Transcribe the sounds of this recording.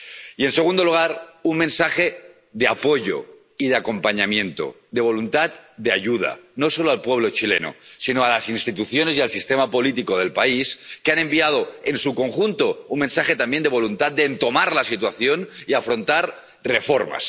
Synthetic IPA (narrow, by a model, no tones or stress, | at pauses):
ie̞nse̞ɣ̞und̪oluɣ̞aɾunmẽnsaxe̞ | ðe̞apo̞ʝo̰ | iðeako̞mpaɲamjẽ̞nt̪o̰ | d̪e̞β̞o̞lunt̪at̪̚d̪eajuð̞a̰no̞so̞loalpwe̞β̞lo̞t͡ʃile̞̰no̰sinoalasinst̪it̪uθjo̞ne̞zialsist̪emapo̞lit̪̬ikoð̞e̞lpaiskeanẽ̞mbiað̞oe̞nsuko̞ŋxunt̪o̞unmẽnsaxe̞t̪ambjend̪e̞β̞o̞lunt̪at̪̚d̪eːnt̪o̞maɾlasit̪waθjo̞niafɾo̞nt̪aɾ | re̞fo̞ɾma̰s